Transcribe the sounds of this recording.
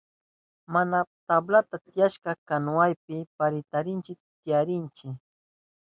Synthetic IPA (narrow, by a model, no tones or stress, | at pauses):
manat̪ablat̪at̪ɪjaʃkɑkanʊajpɪpaɾɪt̪aɾɪnt͡ʃɪt̪ɪjaɾɪnt͡ʃɪ